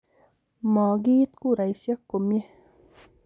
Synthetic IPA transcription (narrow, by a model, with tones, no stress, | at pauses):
maː˨ɡi˦t̪ku˦ɾa˨jsja˦kːo˨mje˦